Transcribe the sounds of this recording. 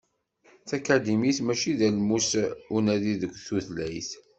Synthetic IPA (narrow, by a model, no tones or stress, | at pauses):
θækæd̪imiθmæʃiðælmusunæðiðəkʷːθuθlæjθ